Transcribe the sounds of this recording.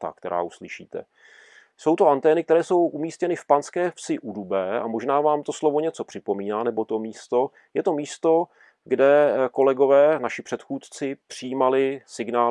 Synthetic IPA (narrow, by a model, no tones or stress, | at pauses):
t̪a̰kt̪ɛɾa̰ːʔuslɪʃḭːt̪ɛ̰ | so̞wt̪o̞ʔant̪ɛːnɪk̚t̪ɛɾɛːso̞wʔumiːscɛnɪfpanskɛːfsɪʔudubɛːa̰mo̞ʒnaːvaːmt̪o̞slovo̞ɲɛt͡so̞pr̥ɪpo̞miːnaːnɛbo̞t̪o̞miːst̪o̞ | jɛt̪o̞miːst̪o̞ | ɡdɛko̞lɛɡo̞vɛːnaʃɪpr̝̥ɛt̪xuːt̪t͡sɪpr̝̥ɪjiːmalɪsɪɡnaː